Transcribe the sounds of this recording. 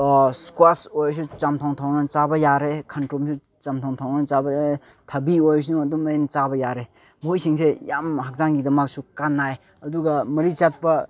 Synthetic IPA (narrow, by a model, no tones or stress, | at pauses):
skwasojs̬ut͡ʃamtʰaŋtʰawnat͡ʃabɐjaɾekʰantɾomsʰu | t͡ʃamtʰawŋtʰawnat͡ʃabɐjaɾ | tʰɐbiojs̬unuɐdumɐjent͡ʃabɐjaɾe | mojsiŋsejamhak̚zaŋɡidɐmak̚sukanːaj | ɐduɡɐmɐɾit͡ʃat̚pɐ